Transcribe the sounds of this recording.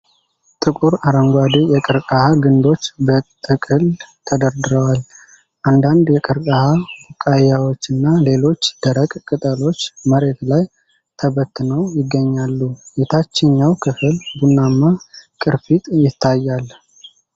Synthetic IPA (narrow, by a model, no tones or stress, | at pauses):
t̪ʼɨkʼuɾaɾəŋɡʷad̪ijɛkʼɨɾkʼahaɡɨnd̪o̞t͡ʃːbət̪ʼɨkʼɨlt̪ʰəd̪əɾd̪ɨɾəwal | ʔand̪and̪jɛkʼɨɾkʼahabukʼːajawo̞t͡ʃːɨnːale̞lo̞t͡ʃːd̪̥əɾəkʼkʼɨt̪ʼəlo̞t͡ʃːməɾe̞t̪laj | t̪ʰəbət̪ːɨnəwjɪɡːəɲːalːujɛt̪ʰat͡ʃːɪɲːawkʰɨflbunːamːakʼɨɾfit̪ʼjɪt̪ʰːajːal